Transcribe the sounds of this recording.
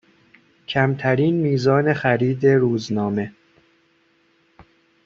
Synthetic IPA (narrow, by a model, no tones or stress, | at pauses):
cʰæmt̪ʰæɾiːnmiːzɒːne̞xæɾiːd̪e̞ɾuːznɒːme̞